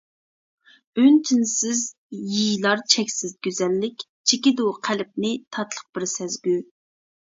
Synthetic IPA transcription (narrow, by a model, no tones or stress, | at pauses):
ønt͡ʃʰinsɪz | jijlˠɑɾt͡ʃʰɛkʲsɪzɡʲyzɛlːɪkʲ | t͡ʃʰekʲɪd̪uqʰælɪp̚nɪt̪ʰɑt̪lˠəq̚b̥ɪɾsɛzɡʲy